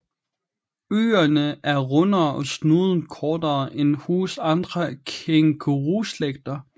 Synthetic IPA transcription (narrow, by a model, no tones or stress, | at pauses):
ø̰ːɐnəʔæɐʁɔnɐːʔɒ̽snuðˠn̩kʰɒːd̥ɐːʔenhuːsɑ̈nd̥ʁɐkʰeŋkʰoʁusleɡ̥̚d̥ɐ